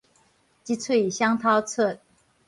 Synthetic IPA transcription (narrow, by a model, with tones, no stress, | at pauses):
t͡ɕi˥t͡sʰwe˥˩i˨˩ɕjɑ˥ŋt̪ʰɑ˥ʊt͡sʰɤ˥˩